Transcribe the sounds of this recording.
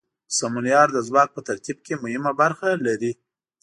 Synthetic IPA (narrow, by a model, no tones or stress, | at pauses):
samunjɑɾd̪əzwɑk̚pət̪aɾt̪ib̚kemʊhɪmabaɾxalaɾi